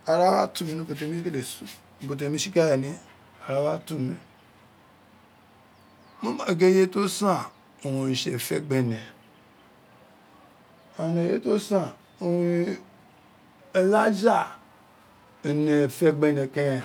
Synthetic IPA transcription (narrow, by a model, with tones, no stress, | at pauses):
a˨ɾa˦wa̰˦tu˨mi˨no˦bo˨t̬e˨˦mi˦ke˦le˨su˦˨ | bo˨t̬e˨mi˦ʃi˦ka˦je˨ni˦ | a˨ɾa˦wa˦tu˦mi˨ | mo˦ma˨ɡe˦je˦to˦sa˦˨ | o˨wu˨ʃḛ˨fḛ˦˨ɡ͡be˨ne˨ | a˨ne˨je˦to˦sa˨ | o˨wi˨ | e˨la˦d͡ʒa˦˨ | ne˨fe˦ɡ͡be˨ne˨ke˦e˨